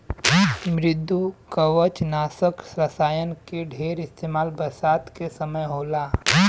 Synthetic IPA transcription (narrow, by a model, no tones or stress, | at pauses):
mɾɪd̪ʱːukəʋət͡ʃnaːsəksɾɐsaːjənkeɖʱeːɾɪst̪eːmaːlbɐsaːt̪kesɐməjɦoːlaː